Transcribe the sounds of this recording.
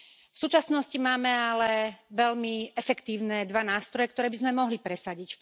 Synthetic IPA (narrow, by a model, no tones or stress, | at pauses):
fsuːt͡ʃasnɔscimaːmɛalɛʋɛʎmiɛfɛkt̪iːʊnɛd̪ʋanaːst̪ɾɔjɛk̚t̪ɔɾɛːbizmɛmɔɦlipɾɛsaɟicf